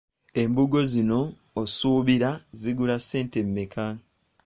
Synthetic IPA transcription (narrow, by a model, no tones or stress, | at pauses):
e̞mbuɡo̞zino̞ː | suːβiɾaziɡulase̞ːnte̞mːekʰa